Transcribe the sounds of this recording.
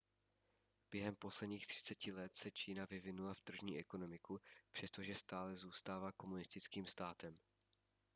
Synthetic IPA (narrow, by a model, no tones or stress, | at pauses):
b̥jɛɦɛmpo̞slɛdɲiːxt̪r̝̥ɪ̥t͡sɛcɪlɛt̪sɛt͡ʃiːnavɪvɪnulaft̪r̩ʒɲiːʔɛko̞no̞mɪkupr̝̥ɛst̪o̞ʒɛst̪aːlɛzuːst̪aːvaːko̞munɪst̪ɪt͡skiːmst̪aːt̪ɛm